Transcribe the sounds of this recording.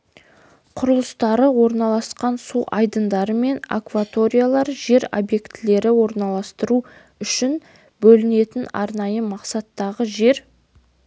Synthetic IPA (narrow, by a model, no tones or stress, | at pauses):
qʰʊɾəlˠəst̪ɑɾəwo̞ɾnɑlˠɑsqɑnsuʔɑjd̪ənd̪ɑɾəme̞na̰kvat̪o̞ɾʲijalˠɑɾʒe̞ɾobje̞kt̪ɪle̞ɾɪwo̞ɾnɑlˠɑst̪əɾu | ʏʃɪn | bɵlɪne̞t̪ɪnɑ̰ɾnɑjəmɑqsɑt̪ːɑʁəʒe̞ɾ